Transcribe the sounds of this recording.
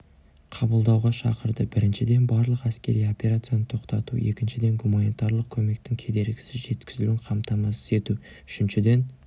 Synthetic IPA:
qʰɑbəlˠd̪ɑwʁɑʃɑ̰qəɾd̪əbɪɾɪnʃɪd̪e̞nbɑɾlˠəqæskʲe̞ɾijo̞pʲe̞ɾat̪sɨjanət̪ʰo̞qt̪ɑt̪ṵe̞kʲɪnʃɪd̪e̞ŋɡumanit̪ɑɾlˠəq̚kʲʰɵme̞kt̪ɪŋkʲʰe̞d̪e̞ɾɡʲɪ̥sɪzʒe̞t̪kʲɪzɪlɪŋqʰɑmt̪ɑmɑsə̥ze̞t̪u | ʏʃɪnʃɪd̪e̞n

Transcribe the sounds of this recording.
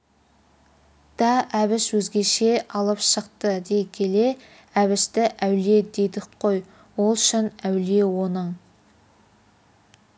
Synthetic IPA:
d̪̥ɑæβɪʃwɵzɡʲe̞ʃe̞ʔɑlˠəpʃəqt̪əd̪e̞kʲʰe̞le̞ | æβɪʃt̪ɪʔæwle̞d̪ed̪ɪqʰo̞j | wo̞lˠʃɪnæwle̞wo̞nəɴ

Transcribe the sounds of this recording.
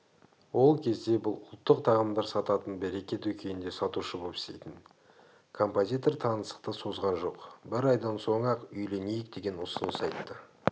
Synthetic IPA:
wo̞lˠkʲʰe̞zd̪e̞bʊlˠʊlˠt̪ːəqt̪ʰɑʁəmd̪ɑɾsɑt̪ɑt̪ənbe̞ɾe̞kʲe̞t̪wɵkʲʰe̞nɪnd̪e̞sɑt̪uʃəbopɪ̥st̪e̞̰jt̪ɪn | kʰo̞mpo̞zʲijt̪o̞rt̪ʰɑnəsə̥q̚t̪əso̞zʁɑnʒo̞qbɪɾɑjd̪ɑnso̞ɴɑqʏjle̞nejɪk̚d̪e̞ɡʲe̞nʊsənəsɑjt̪ːə

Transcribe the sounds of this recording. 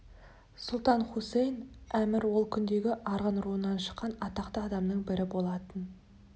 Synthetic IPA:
sʊlˠt̪ɑnχusejnæmɪɾwo̞lˠkʲʰʏnd̪e̞ɡʲɪʔɑɾʁənɾuənːɑnʃə̥qːɑnɑt̪ɑqt̪əɑd̪ɑmnəɴbɪɾɪbo̞lˠɑt̪ən

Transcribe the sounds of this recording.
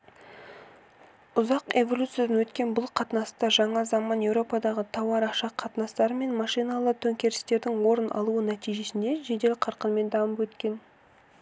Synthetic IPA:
ʊzɑqe̞vo̞lʲut̪sɨijad̪ɑnwɵt̪kʲe̞nbʊlˠqʰɑt̪nɑst̪ɑʒɑɴɑzɑmɑnje̞wɾo̞pɑd̪ɑʁət̪ʰɑwɑɾɑqʃɑqʰɑt̪ənɑst̪ɑɾəme̞nmɑʃijnɑlˠət̪ʰɵŋkʲe̞ɾɪst̪e̞ɾd̪ɪŋwo̞ɾənʔɑ̰lˠuənæt̪ijʒe̞sɪnd̪e̞ʒe̞d̪e̞lqʰɑɾqənme̞nd̪ɑməpwɵt̪kʲe̞n

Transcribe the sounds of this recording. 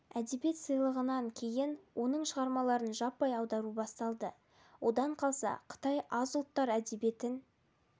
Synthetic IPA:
æd̪e̞bije̞t̪səjlˠəʁənɑŋkʲʰe̞jɪnwʔo̞nəɴʃəʁɑɾmɑlˠɑɾənʒɑpːɑjɑwd̪ɑɾubɑst̪ɑlˠd̪ə | wʔo̞d̪ɑɴqʰɑlˠsɑ̰qʰə̥t̪ɑjɑzʊlˠt̪ːɑɾæd̪e̞be̞t̪ɪn

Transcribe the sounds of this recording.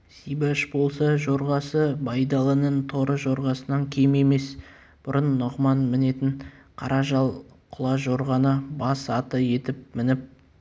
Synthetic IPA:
sijbɑʃbo̞lˠsəʒo̞ɾʁɑsəbɑjd̪ɑlˠənənt̪ʰo̞ɾəʒo̞ɾʁɑsənɑŋkʲʰeme̞me̞s | b̥ʊɾʔənːʊʁmɑnmɪne̞t̪ɪɴqʰɑɾɑʒɑlˠ | qʰʊlˠɑʒo̞ɾʁɑnəbɑsɑt̪əje̞t̪ɪp̚mɪnɪp̚

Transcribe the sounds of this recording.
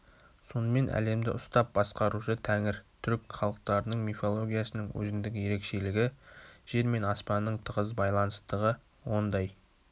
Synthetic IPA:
so̞nəme̞nʔæ̰le̞md̪ɪʔʊst̪ɑp̚bɑsqɑɾuʃət̪ʰæŋɪɾt̪ʰʏɾkχɑlˠəq̚t̪ɑɾənəɴmifo̞lˠo̞ɡʲijasənəɴwɵ̰zɪnd̪ɪɡʲɪje̞ɾe̞kʃe̞lɪɡʲɪʒ̥e̞ɾme̞nɑspɑnːəɴt̪ʰəʁəzbɑjlˠɑnəst̪əʁə | wo̞nd̪ɑj

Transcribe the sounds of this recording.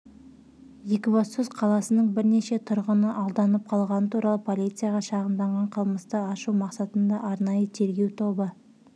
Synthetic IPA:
jekʲvosusqʰɑlˠɑsənəɴbɪɾne̞ʃe̞t̪ʰʊɾʁənəʔɑlˠd̪ɑnəp̚qʰɑlˠʁɑnət̪ʰuɾʔɑlˠəpʰo̞lʲit̪sɨjaʁɑʃɑʁəmd̪ɑɴʁɑɴqʰəlˠməst̪əɑʃuwmɑqsɑt̪ənd̪ɑʔɑɾnɑjət̪ʰe̞ɾɡʲe̞wt̪ʰo̞bə

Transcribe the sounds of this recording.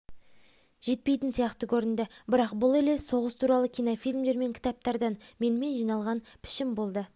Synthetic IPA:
ʒ̥e̞t̪̚pe̞jt̪ɪnsijɑqt̪əkʲʰɵɾɪnd̪ɪbɪɾɑqbʊlˠele̞so̞ʁəst̪ʰuɾɑlˠəkʲijnofijlʲmd̪e̞ɾme̞ŋkʲʰɪ̥t̪ɑp̚t̪ɑɾd̪ɑnme̞nɪme̞nʒijnɑlˠʁɑnpʰɪ̥ʃɪmbo̞lˠd̪ə

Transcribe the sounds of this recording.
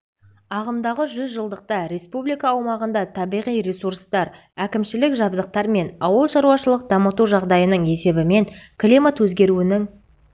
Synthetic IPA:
ɑʁəmd̪ɑʁəʒʏzʒəlˠd̪əq̚t̪ɑɾe̞spublijkɑːwmɑʁənd̪ɑt̪ʰɑbijʁijɾe̞suɾst̪ɑɾ | ækʲɪmʃɪlɪkʒɑbzəq̚t̪ɑɾme̞nɑwəlˠʃɑɾuwɑʃəlˠəq̚d̪ɑmət̪uʒɑʁd̪ɑjənəɴe̞se̞bɪme̞ŋkʰlʲimat̪wɵzɡʲe̞ɾuɪnɪŋ

